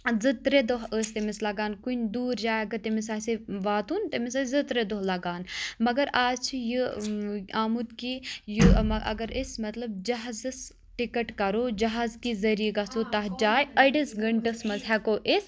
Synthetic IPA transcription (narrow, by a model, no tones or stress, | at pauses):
zɨt̪ɾed̪oɦəːsʲt̪emislɐɡaːnkunʲd̪uːɾd͡ʒaːjɐɡɐt̪ɐmisaːseʋaːt̪uːnt̪ɐmisazɨt̪ɾed̪oɦlɐɡaːnmɐɡɐɾaːzt͡ʃʰijɨ | aːmut̪kijɨɐɐ̰ɡɐɾismɐt̪lɐb̚d͡ʒɐɦzɨs | ʈikɐʈkɐɾoːd͡ʒɐɦaːzkizɐɾiiɡɐsot̪ɐɦd͡ʒaːjɐɖisɡɐɳʈɐsmɐzɦɛkoʔis